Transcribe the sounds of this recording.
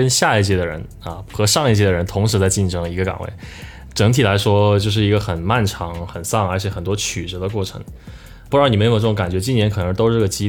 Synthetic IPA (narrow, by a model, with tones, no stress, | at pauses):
ə˥nɕja˥˧i˥˩t͡ɕjɛ˥˩d̪ə˩ɻə̰˧˥n | ɐ̰˧xɤ˧˥ʂɑ˥˧ŋi˥˩t͡ɕjɛ˥˩d̪ə˩ɻə˧˥nt̪ʰʊ˧˥ŋʂɻ̩˧˥t͡sa˥˧ɪt͡ɕi˥˩nʈ͡ʂʰɤ˧˥ŋi˧˥ɡə˧ka̰˨˩ŋwḛ˥˩ɪ | ʈ͡ʂɤ˧˥ŋt̪ʰi˨˩la˧˥ɪʂwɔ˥t͡ɕjo˥˧ʊʂ̬ɻ̩˥˩i˧˥ɡə˧xə˨˩nma˥˩nʈ͡ʂʰɑ˧˥ŋxə˨˩nsɑ˥˩ŋə˞˧˥t͡ɕʰjɛ˨˩xə˨˩nt̪wɔ˥t͡ɕʰy˨˩ʈ͡ʂ̩˧˥d̪ə˧kwɔ˥˩ʈ͡ʂʰɤ̰˧˥ŋ | pu˥ɻni˨˩m˧˥ɪo˨˩ʈ͡ʂɤ˥˩ʊ˧˥ŋka˨˩nt͡ɕɥɛ˧˥t͡ɕi˥njɛ˧˥nkʰɤ˨˩nɤ˧˥t̪o˥ʊʂɻ̩˥˩˥ɡə˩t͡ɕi˥